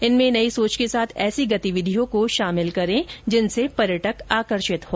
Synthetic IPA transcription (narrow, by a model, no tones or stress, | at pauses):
ɪnmẽnɐisoːt͡ʃkesaːt̪ʰɛːsiɡɐt̪iʋɪd̪ʱijõkoʃaːmɪlkɐɾẽd͡ʒɪnsepɐɾjəʈəkaːkəɾʃɪt̪ɦoː